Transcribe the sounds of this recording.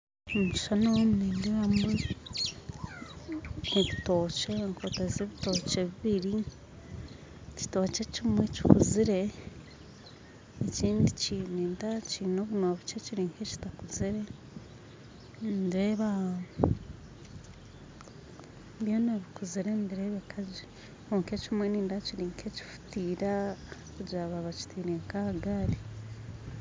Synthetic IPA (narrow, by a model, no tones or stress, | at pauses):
omuʃanowomunindiβamwe | niβito̞ːt͡ʃeŋkʰotazeβito̞ːt͡ʃeβiβiɾi | ci̥toːt͡ʃecimweci̥kuziɾe̞ | eciːndicinintacinoβunoβit͡ʃeciɾiːŋkʰeci̥takuziɾe̞ | ndiɾeːβa | bjoneβikuziɾendiɾeːβekʰazi | kuŋket͡ʃumweniːndaciɾiːŋkʰeci̥fu̥tiːɾa | kuɟaːβaβaci̥tiːɾeŋkahaɡaːɾi